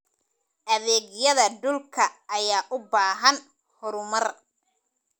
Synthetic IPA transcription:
ʔɐβɛːɡjɐðɐɖʊlkʰɐːjaːʔʊbaːɦɐn | hɔɾʊmɐr

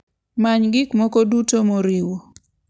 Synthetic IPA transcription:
maɲɡɪkmɔkodutomoɾiwo

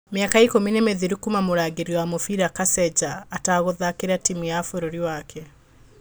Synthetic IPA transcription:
meakaikominemeðiɾikumamoɾaːɣeɾiwamofiɾakasɛd͡ʒaːtaɣoðakeɾatimijafoɾoɾiwakʰɛ

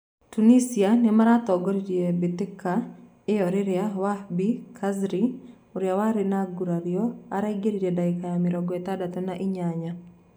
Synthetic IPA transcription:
tunisianɪmaɾat̪ɔɡɔɾd͡ʒiebit̪ɪkːa | ɪɔɾɪɾɪawabikʰazɾi | ʊɾjawaɾɪnaɡuɾaɾioaɾaiɡeɾid͡ʒedaɪkajamɪɾɔɡɔɛt̪adat̪ɔnaʔɪɲaɲa

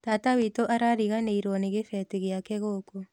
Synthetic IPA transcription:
tatawitoʔaɾaɾiɣaneiɾwɔneɣefɛteɣjakɛɣoko

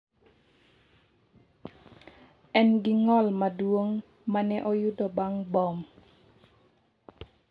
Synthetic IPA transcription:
ɛnɡɪŋɔlmadwoŋ | manɛʔɔjudɔbaŋbɔm

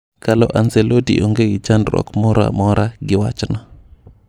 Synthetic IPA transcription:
kalɔʔanselodḭʔoŋɡeɡid͡ʒandɾɔ̰kmɔɾa̰mɔɾaɡɪwat͡ʃnɔ

